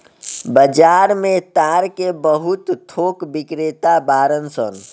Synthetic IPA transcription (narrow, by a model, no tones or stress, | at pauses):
bəd͡ʒaɾmẽt̪aɾkebəɦut̪tʰːokbikɾet̪abaːɾənsə̰n